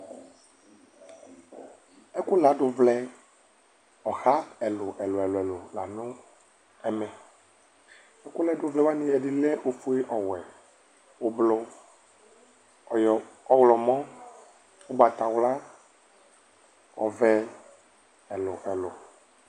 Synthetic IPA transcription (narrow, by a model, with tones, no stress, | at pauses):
ɛ˦kʊ˦la˨˦ɖʊ˨vlɛ˦ | ɔ˨xa˦ɛ˨lʊ˨ʔɛ˨lʊ˨ɛ˨lʊ˨ɛ˨lʊ˨la˨nʊ̃˦ | ɛ˨mɛ˨ | ɛ˦kʊ˦lɛ˦ɖʊ˨vlɛ˦wa˦nĩ˨˦ɛ˨ɖi˨lɛ˦ʔo˨fu˦e˦ʔɔ˨wɛ˨ | o˨blɔ˦ | jɔ˦wlɔ˨mɔ̃˦ | wo˦ba˨t̪a˨wla˦ | ɔ̰˨vɛ˨ | ɛ˨lʊ˨ʔɛ˨lʊ̰˨